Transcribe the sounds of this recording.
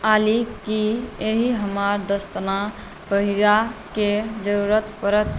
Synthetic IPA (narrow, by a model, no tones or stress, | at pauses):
alikːieɦiɦəmaɾd̪əst̪na | pəɦiɾaked͡ʒəɾuɾət̪pəɾət̪